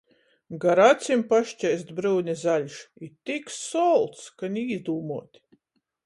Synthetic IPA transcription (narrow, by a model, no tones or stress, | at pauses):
ɡaɾat̪sʲimpaʃt͡ʃʲɛjst̪bɾɨwnʲɛzaʎʲʃit̪ikssɔlˠt̪skanʲiːzd̪uːmuɔt̪ʲ